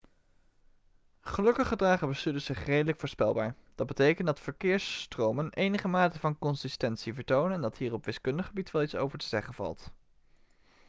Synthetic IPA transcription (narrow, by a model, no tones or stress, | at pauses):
χəlɵkəχədraːχəbəstydəz̥ɪχrejdələkfʊːɹspɛ̰lˠba̰ːɹd̥ɑd̚bətejkəndɑtfəɹkɪːɹsːtrowmənejnəχəmaːtəvɑnkɔnsɪstɛntsivəɹtownənɛndɑtɦiːrɔpʋɪskɵndəχəbitʋɛlˠitso̰wvəɹtəz̥ɛχənv̥ɑ̰lˠt